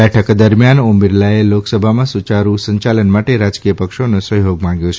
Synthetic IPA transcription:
ɛʈʰəkd̪əɾmjanombiɾlaeloksəbʱamãsut͡ʃaɾusəɲt͡ʃalənmaʈeɾad͡ʒkijəpəkʃonõsəɦjoɡmãŋɡjõt͡ʃʰ

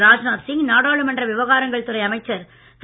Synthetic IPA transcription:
ɾaːd͡ʒnaːɾsɪŋnaːɽaːɭɯmɐndrɐʋɪʋɐɣaːɾɐŋɡɐɭt̪ɯɾɐɪɐmɐɪt͡ʃːɐɾ | s

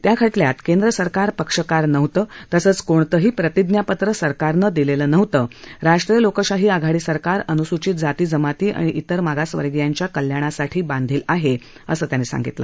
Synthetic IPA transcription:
t̪jakʰəʈljat̪kend̪ɾəsəɾkaɾpəkʂəkaɾnəʋt̪əːt̪əsəːt͡skoɳt̪əɦiːpɾət̪id̪njapət̪ɾəsəɾkaɾnəd̪ileləːnəʋt̪əːɾaʂʈɾijəlokəɕaɦiːaɡʱaɽiːsəɾkaɾənusut͡ɕiːt̪̚d͡zat̪iːd͡zəmat̪iːʔa̰ɽ̃iʔit̪əɾmaɡasʋə̰ɾɡjaɲt͡ɕjakəljaɽ̃asaʈʰiːbãnd̪ʱiːlaɦe | əsəːt̪janːiːsa̰ŋɡit̪lə̰

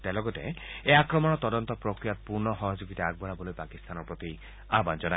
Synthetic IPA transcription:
t̪alɔɡɔt̪ḛeakɾɔmɔnɔt̪ɔdɔnt̪ɔpɾɔkɾijat̪̚puɾnɔxɔɦɔd͡ʒoɡit̪aaɡ̚bɔɾabɔlojpakist̪anɔɾpɾɔt̪i | aband͡ʒɔna

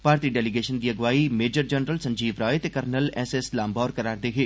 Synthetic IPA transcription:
paːɾt̪iːɖɛːlɪɡeːʃənd̪iːəɡʋaːimeːd͡ʒəɾd͡ʒɛnɾəlsə̃ɲd͡ʒiːʋɾaːet̪eːkəɾnəlɛːseslãːmbaːɾkəɾaːɾd̪eːɦeː

